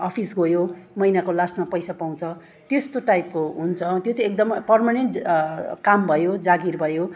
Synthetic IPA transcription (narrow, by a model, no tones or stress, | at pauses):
ʌpʰisɡojomʌjnakolasmapʌjsapaw̃t͡sʰʌ | t̪est̪oʈajpkoɦunt͡sʰʌt̪jot͡sʌ̃ĩek̚d̪ʌmpʌrmaneɳʈkambʱʌjod͡zaɡirbʱʌjo